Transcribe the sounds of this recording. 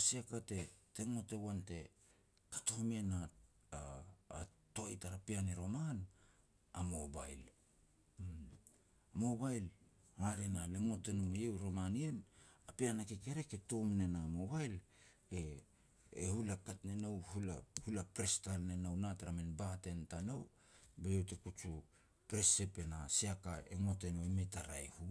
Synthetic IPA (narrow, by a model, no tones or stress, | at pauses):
asiakate̞te̞ŋo̞te̞wante̞ | kḁtomiena | a̰ː | to̞jtaɾapianiɾo̞man | amo̞ba̰jl | amo̞bajl | haɾe̞naleŋo̞te̞numejewɾo̞manie̞napianakikeɾe̞ketomne̞namo̞bajl | eː | hulakatnenowhula̰hulapɾestalnenawnatɾamenbate̞ntanow | bejewtekut͡ʃu | pɾese̞pe̞nasiakaeŋo̞tenoimetaɾa̰ehu